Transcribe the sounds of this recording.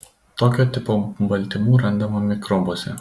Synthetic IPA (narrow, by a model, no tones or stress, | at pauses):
t̪oːkʲoːt̪ʲɪpoːbɐlʲt̪ʲɪmuːɾɐnˑd̪ɐmɐmʲɪkɾɔboːsʲɛ̰